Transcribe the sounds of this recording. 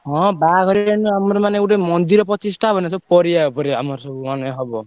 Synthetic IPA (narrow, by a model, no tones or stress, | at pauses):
ɦɔ̃baɡʱʌɾianuamɾɔmaneekwʈemʌnd̪iɾɔpɔt͡ʃisʈʰabʱʌnjasʰɔpɔɾiapɔɾeamɔɾsɔbuɔnɦɔbɔ